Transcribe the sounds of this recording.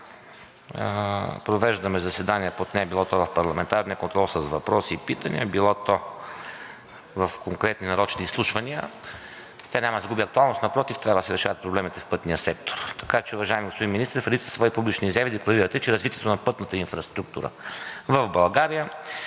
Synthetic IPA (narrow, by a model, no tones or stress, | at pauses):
pɾovɛʒd̪ɐmɛzɐsɛd̪aniəpot̪nɛɛbilˠɔt̪ɔvɐfpɐɾlˠɐmɛnt̪aɾniəkont̪ɾɔlˠsəzvɐpɾɔlsiːpit̪ənḭəbilˠɔt̪ɔ | vɐfkoŋkɾɛt̪ninɐɾɔt͡ʃniːslˠuʃvɐniə | t̪ʲɛnɲʲamɐd̪ɡubiɐk̚t̪ualˠnost̪nɐpɾɔt̪ift̪ɾʲavɐd̪əsɛɾɛʃavɐt̪̚pɾoblɛmit̪ɛfpɤt̪nijəsɛk̚t̪o̥ɾt̪ɐ̥kat͡ʃɛuvɐʒaimiɡospod̪inminist̪ɛɾfɾɛd̪it̪səsvɔipublit͡ʃniːzɛvid̪ɛklˠɐɾiɾət̪ɛt͡ʃɛɾɐzvit̪iɛt̪onɐpɤt̪nət̪əinfɾɐst̪ɾuk̚t̪ṵɾə̰vɐvbɐlˠɡaɾijə